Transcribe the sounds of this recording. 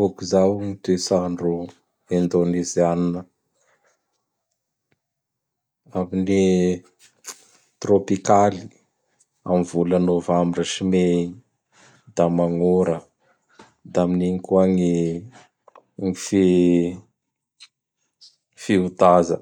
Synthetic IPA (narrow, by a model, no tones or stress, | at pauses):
okuzawŋit̪esaɳɖ͡ʐu | end̪onizaninə | amini | t̪ropikali̥ | a̰mvulanovamiɖ͡ʐaʃime | d̪amaŋoɾə | d̪aminiŋikuaŋi | ŋifi | fiut̪azə